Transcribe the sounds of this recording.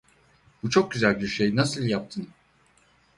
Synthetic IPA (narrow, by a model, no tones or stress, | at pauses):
but͡ʃʰo̞k̚ɟyzælʲbyɾʃejnasɯlˠjap̚t̪ʰɯn